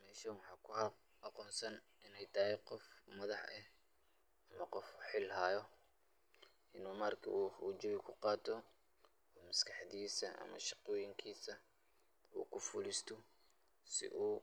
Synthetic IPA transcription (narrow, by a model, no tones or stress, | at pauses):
mɛːʃɐwɑħɑːkʰʊ | ɐqɔːnsɐn | ʔɪnɛjt̪ʰɐɦɛqɔfmɐðɑħʔɛ̰h | ɐmɐqɔfħɪlɦaːjɔ | ʔɪnuːmaːrkʰɐ̰ʔuːut͡ʃɔβɪkʰʊqɑːt̪ʰɔː | mɐskʰɑħd̪iːsɐʔɐ̰mɐ̰ʃɑqɔːjɪŋkʰiːsɐ | ṵːkʰʊfulist̪ʰɔ | sɪ̰ʔuː